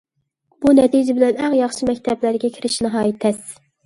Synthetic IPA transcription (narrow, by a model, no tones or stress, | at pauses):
bunɛt̪ʰid͡ʒɪbɪlɛnæŋjɑχʃɨmɛkʲt̪ʰɛblæɾɡʲɛkʲʰɪɾɪʃnɨɦɑːjit̪ʰɛss